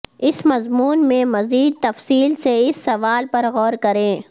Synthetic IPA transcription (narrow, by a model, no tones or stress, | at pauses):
ɪsmɐzmuːnmẽmɐziːd̪̚t̪ɐfsiːlseɪsːɐʋaːlpɐɾɣɔːɾkɐɾẽː